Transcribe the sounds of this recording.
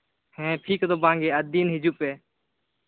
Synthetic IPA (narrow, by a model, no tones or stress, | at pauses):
hẽːpʰiːkt̪oːbãːŋɡeːəd̪iːnɦɪd͡ʒuːpeː